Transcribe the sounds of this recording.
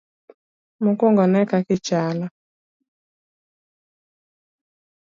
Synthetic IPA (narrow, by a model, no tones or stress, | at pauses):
mukɔŋɡɔnɛkakɪt͡ʃala